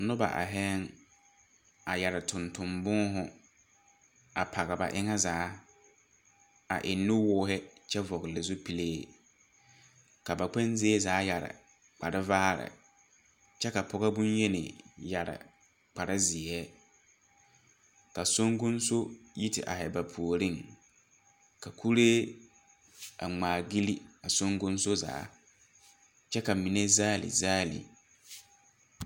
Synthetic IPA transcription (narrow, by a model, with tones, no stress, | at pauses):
nʊ˦ba̰˨ʔa̰˨ɦɛː˦ŋ | a˨ja˨ɾɪ˨tʰʊ̃˨ntʊ˨mbʊ˦ɦʊ˨ | a˨pʰa˨ɣa˨ba̰˨ʔɪ˦ŋɛ˦zaː˨˦ | a̰˨ʔɪ˨nːʊ˦wʊː˦ɦɪ˦t͡ʃɛ˦vɔ˨ɣɪ˨lɪ˨zʊ˦pi˨leː˦˨ | ka˨ba˨k͡pɛ˦nzɪ˦e˦zaː˨˦ja˨ɾɪ̰˨ | k͡pa˨ɾɪ˦vaː˦ɾɪ̰˨ | t͡ʃɛ˦ka˨pʰɔ˦ɣa˦bʊ˦nje˦nɪ̰˨ja˨ɾɪ̰˨ | k͡pa˨ɾa˦zɪ˨ɛ˦ | ka˨so˦ŋɡʊ˦nso˦ji˦tɪ̰˨ʔa̰˨hɛ˨ba˨pʰu˨o˨ɾɪ˦ŋ | ka˨kʰu˦ɾeː˦ | a̰˨ŋ͡maː˨ɡi˦li˦a˨so˦ŋɡʊ˦n˦so˦za̰ː˨˦ | t͡ʃɛ˦ka˨mi˨ne˦zaː˦lɪ̰˨zaː˦lḭ˨